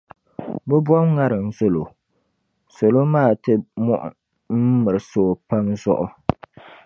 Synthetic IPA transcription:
bɛ˦bwɔ˦mŋa˦ɾɨ˨n̩˦zo˦lo˨ | so˨lo˦maː˦˨tɨ˦mɔ˦ʔʊ̰˨ | m̩˦mɨ˨ɾɨ˨soː˨˦˨pa˦mzɔ̰˦ʔʊ˦

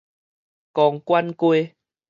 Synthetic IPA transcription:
kɔ˧˩ŋkwa˦nkwe˧

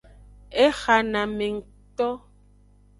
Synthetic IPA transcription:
ɛ˦xa˨na˨me˨ŋ̩˨ | tɔ˦

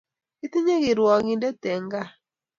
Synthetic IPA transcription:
i˦t̪i˦ɲe˦ɡɪ˨ɾwɔ˨ɡi˨nde˦tɛ˨ŋɡa˦

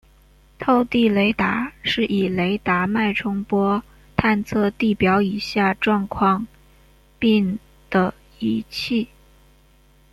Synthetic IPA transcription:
t̪ʰo˥˧ʊt̪i˥˩le˧˥ɪt̪a˧˥ʂɻ̩˥˩ʔi˨˩le˧˥ɪt̪a˧˥ma˥˩ɪʈ͡ʂʰʊ˥ŋpwɔ˥ | t̪ʰa˥˧nt͡sʰɤ˥˧t̪i˥˩pjɑ˧˥ʊi˨˩ɕja˥˧ʈ͡ʂwɑ˥˧ŋkʰwɑ˥˧ŋ | pi˥˩ŋ | d̪̥ə˩ | i˧˥t͡ɕʰi˥˩

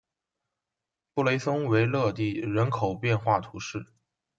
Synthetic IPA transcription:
pu˥˩le˧˥ɪsʊ˥ŋwe˧˥ɪlɤ˥˧t̪i˥˩ɻə˧˥nkʰo˨˩ʊpjɛ˥˧nxwa˥˩t̪ʰu˧˥ʂɻ̩˥˩

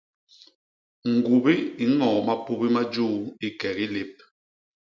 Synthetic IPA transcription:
ŋ̩˨ɡu˨bi˦i˨ŋɔː˨ma˦pu˦bi˦ma˦d͡ʒuː˦˨i˦kɛ˨ki˦le˦p̚

